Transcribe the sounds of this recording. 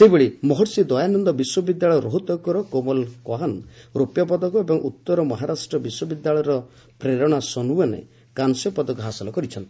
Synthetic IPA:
seɦibeɭimɔɦɔɾsid̪ɔjanɔnd̪ɔbiswɔbid̪jaɭɔjɔɾoɦut̪ɔkɔɾɔkomɔlkɔɦanɾopjɔp̬ɔd̪ɔkɔebɔŋʔut̪ːɔɾɔmɔɦaɾasʈɾɔbiswɔbid̪jaɭɔjɔɾɔ | pɾeɾɔɽ̃asɔnuanḛ | kansjɔpɔd̪ɔkɔɦasɔlɔkɔɾit͡ʃʰɔnt̪i̥

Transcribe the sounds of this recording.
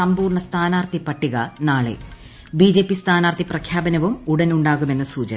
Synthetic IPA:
ɐmbuːrɳɐst̪ʰaːnaːrt̪ʰipɐʈːiɣɐnaːɭḛ | biːd͡ʑe̞ːpːist̪ʰaːnaːrt̪iprɐkʰjaːbɐnɐʋumuɽɐnuɳɖaːɣume̞nːɐsuːt͡ɕɐ

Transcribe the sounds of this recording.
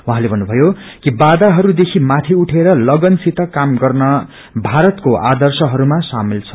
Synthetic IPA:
waɦãlebʱʌnːubʱʌjokibad̪aɦʌɾud̪ekʰimat̪ʰiuʈʰeɾʌlʌɡʌnsit̪ʌkamɡʌrnʌ | bʱaɾʌt̪koʔa̰d̪ʌrsʌɦʌɾumasamilt͡sʰʌ̥

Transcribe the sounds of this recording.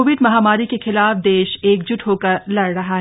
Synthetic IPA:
oːʋɪɖmɐɦaːmaːɾikexɪlaːfd̪eːʃeːkd͡ʒʊʈɦoːkəɾlɐɽɾɐɦaɦɛ

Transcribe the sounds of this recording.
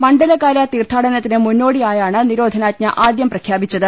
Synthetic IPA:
mɐɳɖɐlɐkːaːlɐt̪iːrt̪ʰaːɽɐnɐt̪ːinɨmunːo̞ːɽijaːjaːɳɨniɾo̞ːd̪ʱɐnaːt̚ɲɐʔaːd̪jɐmprɐkʰjaːbit͡ɕːɐðɨ

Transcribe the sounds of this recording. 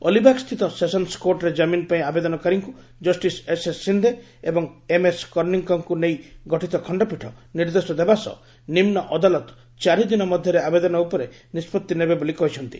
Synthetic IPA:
ɔlibakst̪ʰit̪ɔsesɔnskoʈɾed͡ʒaminpaĩabed̪ɔnɔkaɾiŋku | d͡ʒɔsʈisesesːind̪ʱe | ebɔŋemeskɔɾniŋkɔŋkunejɡɔʈʰit̪ɔkʰɔɳɖɔpiʈʰɔniɾd̪esɔd̪ebasɔ̰ | nimnɔʔɔd̪alɔt̪ | t͡ʃaɾid̪inɔmɔd̪ʱjɔɾeabed̪ɔnɔupɔɾe | nispɔt̪ːinebebolikɔɦit͡ʃʰɔnt̪i̥̰

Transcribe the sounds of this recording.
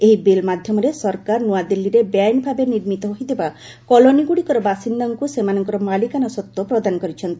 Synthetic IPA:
eɦibelmad̪ʱjɔmɔɾesɔɾkaɾnuad̪elːiɾebjajnbʱabeniɾmit̪ɔɦoɦit̪iba | kɔloniɡuɽikɔɾɔbasind̪aŋkusemanɔŋkɔɾɔmalikanɔsɔt̪ːopɾɔd̪anɔkɔɾit͡ʃʰɔnt̪i̥

